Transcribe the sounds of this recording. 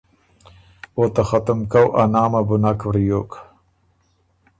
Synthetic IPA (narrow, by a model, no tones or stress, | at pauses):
ot̪axat̪amkawʔanɑːmabʊnakwɾijoːk